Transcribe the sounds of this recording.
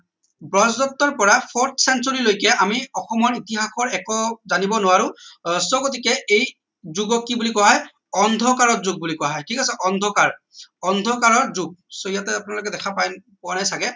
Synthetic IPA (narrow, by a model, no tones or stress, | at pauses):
bɹɔzdɔtːɔɹpɔɹapʰɔɹtʰsɛnsɔɹilojkɛʔamiɔxɔmɔnitiɦaxʰɔɹɛkɔzanibɔnʊwaɹʊ̃sɔkot̬ikɛʔej | zuɡɔkːibulikɔaɦɔj | ɔnd̪ʱɔkaɹɔtzuɡ̚bulikɔwaɦɔjkʰikasɛʔɔnd̪ʱɔkaɹ | ɔndʱɔkaɹɔɹzuɡ̚sojatɛapʊnalokɛdɛkʰapajnpɔanajsakɛ